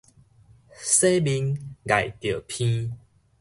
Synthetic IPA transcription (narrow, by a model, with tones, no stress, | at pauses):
se˦bi˧˦nɡa˨jt̪jə˨˩pʰĩ˦